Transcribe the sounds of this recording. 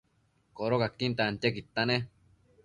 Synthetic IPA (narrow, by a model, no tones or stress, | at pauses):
koɾokakːint̪aant͡ʃ̪ekit̪ːane